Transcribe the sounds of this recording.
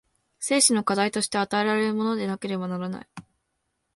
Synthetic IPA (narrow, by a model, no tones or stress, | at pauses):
se̞ːɕino̞kad̪ait̪o̞ɕi̥t̪e̞at̪ae̞ɾaɾe̞ɾɯ̟mo̞no̞d̪e̞nake̞ɾe̞banaɾana̰i